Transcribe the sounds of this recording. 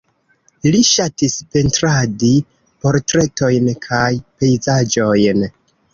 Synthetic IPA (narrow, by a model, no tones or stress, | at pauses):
liʃatispe̞ntɾadi | po̞ɾtɾe̞to̞jnkʰajpe̞jzad͡ʒo̞jn